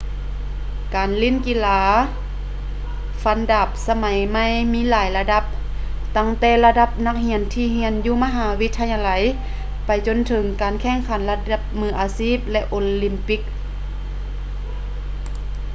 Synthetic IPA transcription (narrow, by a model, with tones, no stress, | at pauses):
kaː˨˩nli˧˥˨nki˧˥laː˧˦ | fa˧˥nda˧˩p̚sa˧ma˨˦jma˧˥˨jmiː˧˥˨laː˨˩˦jla˧da˧˦p̚ | t̪a˧˨ŋt̪ɛː˧˩la˧da˧˥p̚na˧˥k̚hi˧˥ənt̪ʰiː˧ɦi˧˥ənjuː˧ma˧ɦaː˨˦wi˧˥t̪ʰːa˧ɲa˧la˨˦j | pa˨jt͡ɕo˧˨nt̪ʰɤ˨˩˦ŋkaː˨nkʰɛ˧˩ŋkʰa˨˦nla˧t̪̚da˧˩p̚mɯː˧˩ʔaː˨˩siː˧˥˩p̚lɛ˧ʔoː˧li˧˩mpi˧˥k̚